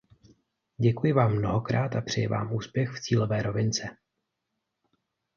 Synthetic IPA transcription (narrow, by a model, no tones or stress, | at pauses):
ɟɛkujɪvaːmːno̞ɦo̞kɾaːt̪apr̝̥ɪjɪva̰ːmʔuːspjɛxft͡siːlo̞vɛːɾo̞vɪnt͡sɛ